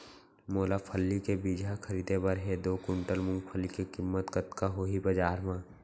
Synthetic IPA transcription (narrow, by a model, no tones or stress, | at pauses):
moːlapʰəlːikebiːd͡ʒʱaxɐɾiːd̪ebɐɾɦed̪oːkʊ̃ɳʈəlmʊ̃ŋɡpʰəlːikekɪmːət̪kət̪kaɦoːɦibɐd͡ʒaːɾmãː